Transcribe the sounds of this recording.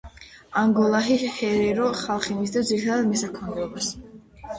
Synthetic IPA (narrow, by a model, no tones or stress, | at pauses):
aŋɡɔlˠaɦihɛɾɛɾɔχalˠχimis̬d̪ad̪ziɾit̪ʰad̪ad̪mɛsakʰɔnd̪ɛɔbas